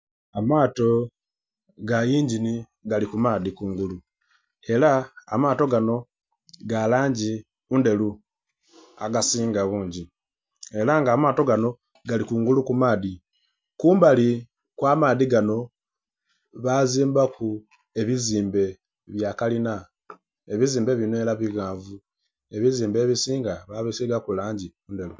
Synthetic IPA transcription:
amaːto̞ | ɡajiːɲɟini | ɡalikumaːðikuːŋɡulu | e̞laːmaːto̞ɡano̞ | ɡalaːɲɟi | unde̞lu | a̰ɡasiːŋɡaβuːɲɟi | elaŋɡaːmaːto̞ɡano̞ | ɡalikuːŋɡulukumaːði | kuːmbali | kwaːmaːðiɡano̞ | βaziːmbakʰu | e̞βiziːmbe̞ | βjaːkalina | eβiziːmbe̞βinoelaβiɣaːɱvu | e̞βiziːmbe̞ːβisiːŋɡaβaβisiɡakulaːɲɟiuːnde̞lu

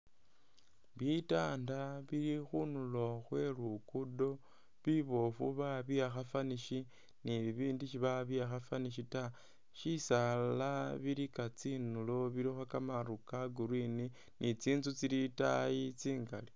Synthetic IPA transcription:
βitaːndaβiɾixunulo̞xwe̞rukudo̞ | βiβo̞fṵβaβiaxafaniʃi | niβiːndiʃiβaβiaxafaniʃita | ʃisalaβiɾikat͡sinulo̞βiɾixwakamarukaɡuɾwini | nit͡siːnzut͡siɾitajit͡siːŋɡali

